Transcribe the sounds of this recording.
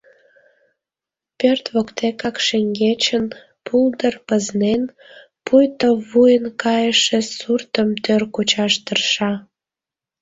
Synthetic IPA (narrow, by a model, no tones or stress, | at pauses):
pørt̪βokt̪ekɑkʃeŋɡet͡ɕən | pʰuld̪ərpəznen | pujt̪oβujənkɑjəʃĕsurt̪əmt̪ørkut͡ɕɑʃt̪ərʃɑ